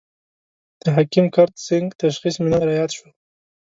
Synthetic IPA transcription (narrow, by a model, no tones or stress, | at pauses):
d̪̥əɦakimkaɾt̪sɪŋɡt̪aʃxismɪnaɾajɑd̪ʃwəl